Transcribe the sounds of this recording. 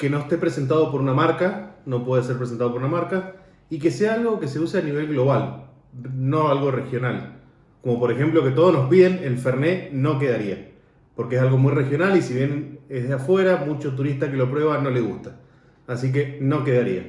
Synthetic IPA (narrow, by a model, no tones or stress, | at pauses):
ke̞no̞est̪epɾese̞nt̪̬að̞o̞po̞ɾunamaɾkano̞pwe̞ðese̞ɾpɾes̬ent̪aðopoɾunamaɾka | ike̞seaalɣo̞ke̞se̞useaniβ̞e̞lɣlo̞βal | no̞alɣo̞re̞xjonal | ko̞mo̞po̞ɾe̞xe̞mplo̞ke̞t̪o̞ð̞onospiðe̞nelfeɾne̞no̞ke̞ðaɾia | po̞ɾkees̬alɣo̞mujre̞xjo̞nalisiβjenezðeafwe̞ɾamut͡ʃo̞t̪̬uɾist̪ake̞lop̬ɾwe̞β̞ano̞le̞ɣ̞ust̪aː | sik̬e̞no̞ke̞ðaɾia̰